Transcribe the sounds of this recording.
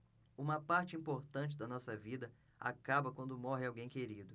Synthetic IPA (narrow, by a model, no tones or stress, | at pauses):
ũmɐpaɾt͡ʃɪĩmpoɾt̪ɐ̃nt͡ʃɪd̪ɐnɔsɐvid̪ɐ | a̰kabɐkwɐ̃nd̪ʊmɔɦɪawɡẽj̃keɾid̪ʊ